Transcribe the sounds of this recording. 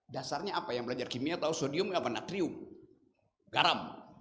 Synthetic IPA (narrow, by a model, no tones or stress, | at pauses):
dasarɲaapajaŋbəlad͡ʒarkimiat̪ausodiʊmapanat̪ɾiʊm | ɡaɾam